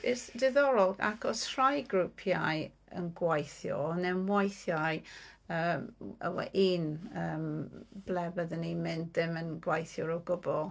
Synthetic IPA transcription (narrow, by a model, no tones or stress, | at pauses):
b̥esd̥ɪðɔɾɔlˠɡa̰kʰɔsrajɡɾupʰjaj | ə̰nɡwajθjɔ̰nɛmwajθjajəːmə̰wɛ̰ʔiːnəːmb̥lɛvəðənimɪndðɪmənɡwajθjɔɾɔɡʊbɔlˠ